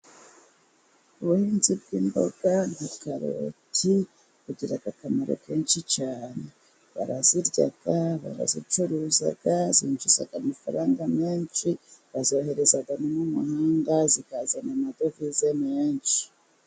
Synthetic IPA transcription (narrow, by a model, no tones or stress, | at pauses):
uβuhiːnzib̚ɡiːmbo̞̰ɡ̥an̥hakaɾo̰tʰi | kuɟiɾaɡakamaɾo̞̰kʰe̞ːnʃit͡ʃaːne | βa̰ɾaziɾɟa̰ɡ̥aβa̰ɾa̰zit͡ʃuɾuːza̰ɡazinʃuza̰ɡamafaɾaːŋɡameːnʃiβazo̞ːhe̞ɾe̞zaɡanomumuhaːŋɡazikaːzanamado̞vizemeːnʃi̥